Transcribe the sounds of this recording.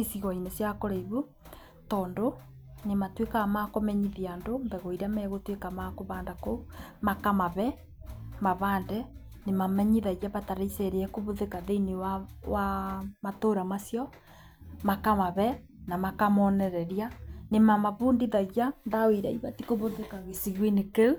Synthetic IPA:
isiɣɔinesjakoɾaiβu | tɔːndo | nematwekamakomɛɲiðiandombɛɣoiɾamɛɣotwekamakoβaːndakomakamaβɛ | maβaːndɛ | nemamɛɲiðaɣaβataɾeisɛɾeɛkoβoðekaðeinewawamatoːɾamasjɔ | makamaβɛ | namakamɔnɛɾɛɾjanemamaβundiðaɣandaoiɾa̰iβatikoβoðekaɣesiɣwinekeu

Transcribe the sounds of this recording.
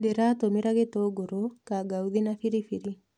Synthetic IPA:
deɾat̪omɪɾaɡet̪oɡoɾokaɡawðinafiɾifiɾi

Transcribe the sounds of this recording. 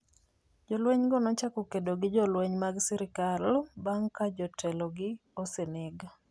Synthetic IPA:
d͡ʒɔlweɲɡɔnɔt͡ʃakɔkedoɡɪd͡ʒɔlweɲmaɡsiɾɪkalbaŋkad͡ʒɔtʰɛlɔɡɪoseneɡa

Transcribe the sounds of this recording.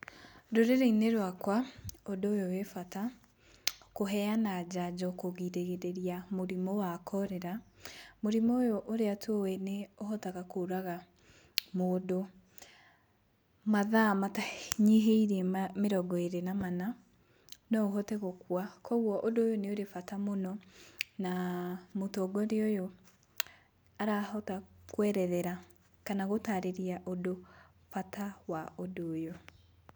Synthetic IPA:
doɾeɾeineɾwakwaodoːjowefata | koɦɛanad͡ʑad͡ʑɔkoɣiɾeɣeɾeɾiamoɾimɔwakʰɔɾɛɾamoɾimoːjoʔoɾeatʰwowɛneohɔtaɣakoɾaɣa | moːdo | maðamataɲeɦeiɾemeɾɔɡɔeɾenamana | nɔɦɔteɣokwakɔɣwɔʔodoːjoneoɾefatamonɔnamotɔɡɔɾeojɔ | aɾahɔtakwɛɾɛðɛɾa | kanaɣotaɾeɾiaʔodo | fatawaodoːjo

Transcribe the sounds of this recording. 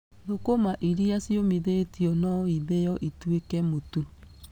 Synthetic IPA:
ðokomaʔiɾiasiomiðetiɔnɔiðejɔʔitwekɛmotu

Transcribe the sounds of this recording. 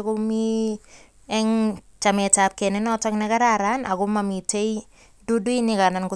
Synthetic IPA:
kʊmi | ɛŋt͡ʃamɛtap̚kɛnɪnɔtɔknɛkaɾaɾanakʊmamitej | duduinɪkanankʊ

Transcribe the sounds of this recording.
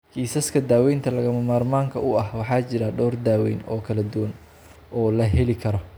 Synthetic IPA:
kʰiːsɐskʰɐd̪aːwɛjnt̪ʰɐlɐɣɐmɐmaːrmaːŋkʰɐʊɐhwɑħɑːt͡ʃɪɾɐɖɔːrd̪aːwɛjnɔ̰ːkʰɐlɐd̪ʊwɐn | ɔːlɐɦɛlɪkʰɐɾɔ

